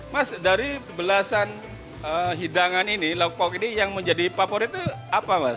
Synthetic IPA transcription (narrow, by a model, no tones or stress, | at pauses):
masdaɾibəlasan | əɦidaŋaninilauk̚paukinijaŋməɲd͡ʒadipapɔɾit̪uapamas